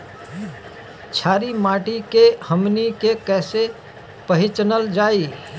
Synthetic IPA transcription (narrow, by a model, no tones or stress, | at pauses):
t͡ʃʰaːɾimaːʈikehəmnikekɛːse | pəɦɪt͡ʃnəld͡ʒaːi